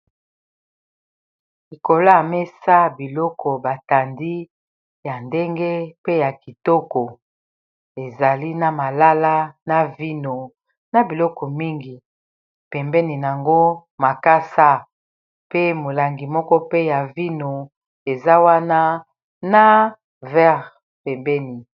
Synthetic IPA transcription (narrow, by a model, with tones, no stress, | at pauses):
li˨ko˨la˦˨me˦sa˦bi˨lɔ˦kɔ˨ba˨ta˨ndi˦ | ja˨nde˦ŋɡe˦pe˦ja˨ki˨tɔ˦kɔ˨ | e˨za˨li˦na˨ma˨la˦la˦na˨vi˦no˨ | na˨bi˨lɔ˦kɔ˨mi˦ŋɡi˨ | pɛ˨mbɛ˦ni˨n˨a˨ŋɡo˦ | ma˨ka˦sa˦ | pe˦mo˨la˨ŋɡi˨mɔ˦kɔ˦pe˦ja˨vi˦no˨ | e˨za˦wa˦na˦ | na˦ | vɛ˦ʁ | pɛ˨mbɛ˦ni˨